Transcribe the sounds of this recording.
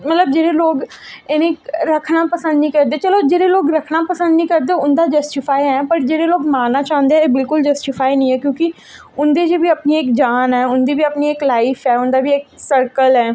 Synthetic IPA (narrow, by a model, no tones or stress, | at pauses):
mɐt̪ləbd͡ʒeːɾeloːɡ | enẽɾəkʰnapəsə̃nd̪nĩkɐɾd̪eɛ̃t͡ʃəlod͡ʒeːɾeloːɡɾɐkʰnapəsə̃nd̪nĩkɐɾd̪ẽʊnd̪ad͡ʒɐsʈɪfʰaːiɦɛ̃ːpɐɾd͡ʒeːɾeloːɡmaːnːat͡ʃaːɦə̃nd̪eɦɛ̃ebɪlkʊld͡ʒɐsʈɪfaːinəĩɦɛ̃ːkjõːki | ʊnd̪ed͡ʒebʱiɐpnieːkd͡ʒaːnɦɛːʊnd̪ebʱiɐpnieːklaːɪfʰɦɛːʊnd̪abʱieːk̚səɾkəlɦɛː